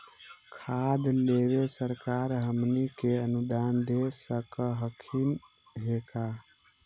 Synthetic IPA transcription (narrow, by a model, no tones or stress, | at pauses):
kʰad̪leβesəɾkaɾɦəmnikeənud̪and̪esəkəɦəkʰin | ɦeka